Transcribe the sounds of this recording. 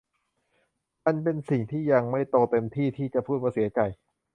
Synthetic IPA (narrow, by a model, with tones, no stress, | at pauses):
ma˧npe˧nsi˨˩ŋt̪ʰiː˥˩ja˧ŋma˥˩jt̪oː˧t̪e˧mt̪ʰiː˥˩t̪ʰiː˥˩t͡ɕa˨˩pʰuː˥˩waː˧˩si˩˦ɐt͡ɕa˨˩j